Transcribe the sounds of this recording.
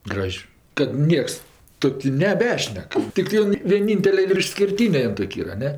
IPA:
ˈɡrɐʃʲ kɐt ˈnʲiɛks ˈtoːkʲʊ nʲɛˈbʲæːʃʲnʲɛk ˈtʲɪktɜ ˈjoːn ʋʲiɛˈnʲɪnʲtʲɛlʲɛ ɪr ɪʃʲsʲkʲɪrʲˈtʲiːnʲɛ ˈjoːn ˈtoːkʲ ˈiːrɐ ɐ ˈnʲɛ

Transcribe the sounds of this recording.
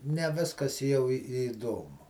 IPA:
nʲɛ ˈʋʲɪskɐs jɛʊ ɪ iːˈdoːmʊ

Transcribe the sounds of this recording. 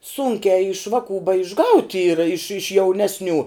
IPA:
ˈsuːŋʲkʲæː ɪʃ ˈʋɑːˌkuː bɐɪʒˈɡɐʊtʲ ˈiːrɐ ɪʃ ɪʃ ˈjɛʊˌnʲæːsʲˌnʲuː

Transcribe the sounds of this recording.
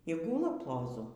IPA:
iː ˈɡuːlˠɐ plˠoːˈzʊ

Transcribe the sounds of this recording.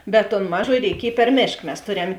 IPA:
bʲɛt toːn ˈmɑːˌʒoːjɪ rʲɛɪˈkʲiɛj pʲɛr ˈmʲeːʃk mʲɛs ˈtoːˌrʲɛm

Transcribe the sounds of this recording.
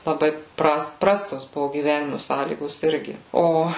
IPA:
lˠɐˈbɐɪ ˈprɐst ˈprɑːstoːs ˈbʊʋoː ɡʲiːˈʋʲæːnʲɪmʊ ˈsɑːlʲiːɡoːs ˈɪrʲɡʲɪ ˈoː

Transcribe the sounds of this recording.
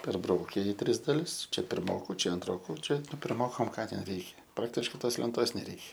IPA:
pʲɛrˈbrɐʊkʲɛ ɪ ˈtʲrʲɪs dɐˈlʲɪs ˈt͡ʃʲɛ pʲɪrˈmoːkʊ ˈt͡ʃʲɛ ɐnˈtroːkʊ ˈt͡ʃʲɛ pʲɪrˈmoːkɐm ˈkɑː tʲɛn ˈrʲɛɪkʲɛ ˈprɑːktʲɪʃkɐɪ ˈtoːs lʲɛnˈtoːs nʲɛˈrʲɛɪkʲɛ

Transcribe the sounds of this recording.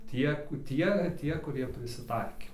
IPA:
ˈtʲiɛk ˈtʲiɛ ˈtʲiɛ kʊˈrʲiɛ pʲrʲɪsʲɪˈtɐɪkʲeː

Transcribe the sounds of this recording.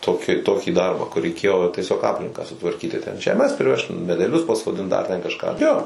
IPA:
ˈtoːkʲɪ ˈtoːkʲiː ˈdɐrbɑː kʊr rʲɛɪˈkʲeːjoː tʲiɛˈsʲoːk ˈɑːpʲlʲɪŋkɑː sʊtʋɐrʲˈkʲiːtʲɪ tʲɛn ʒʲɛˈmʲɛs pʲrʲɪˈʋʲɛʃt mʲɛdʲɛˈlʲʊs pɐsoːˈdʲɪnt dɐr tʲɛn kɐʃˈkɑː joː

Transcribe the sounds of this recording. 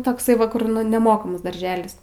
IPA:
toːkˈsɐɪ ˈʋɐ ˈkʊr nʊ nʲɛˈmoːkɐmɐs dɐrʲˈʒʲæːlʲɪs

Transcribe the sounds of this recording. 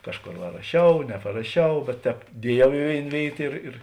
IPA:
ˈkɑːʃˌkoːr ʋɐ rɐˈʃʲɛʊ nʲɛpɐrɐˈʃʲɛʊ bʲɛt ˈtʲɛːp ˈdʲiɛˌjɛʊ ɪ ˈʋʲeːɪn ˈʋʲeːɪt ɪr ɪr

